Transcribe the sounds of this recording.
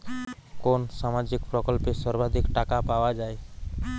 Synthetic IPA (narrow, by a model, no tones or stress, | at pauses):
konsamad͡ʒikpɾəkəlpesəɾbad̪ʱikʈakapawad͡ʒae